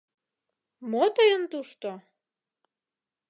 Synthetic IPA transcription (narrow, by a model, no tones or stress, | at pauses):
mot̪əjənt̪uʃt̪o